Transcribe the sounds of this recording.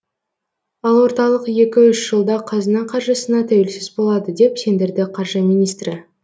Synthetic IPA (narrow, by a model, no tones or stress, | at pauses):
ɑlˠwo̞ɾt̪ɑlˠəqje̞kʲɪʏʃʒ̥əlˠd̪ɑqʰɑzənəɴqʰɑɾʒəsənɑt̪ʰæwelsɪzbo̞lˠɑd̪əd̪e̞pse̞nd̪ɪɾd̪ɪqʰɑɾʒəmijnijst̪ɾɪ